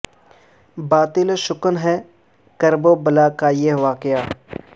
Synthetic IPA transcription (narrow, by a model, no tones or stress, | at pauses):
baːt̪ɪlʃʊkənɦɛ | kɐɾboːbɐlaːkaːjeɦʋaːkɪjaː